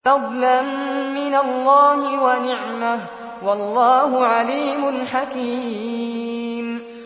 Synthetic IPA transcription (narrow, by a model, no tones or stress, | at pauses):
ɑd̪ˤlanmɪnalːɑːhɪwanɪʕmah | wɑlˤːɑːɦʊʕaliːmʊnħakiː | m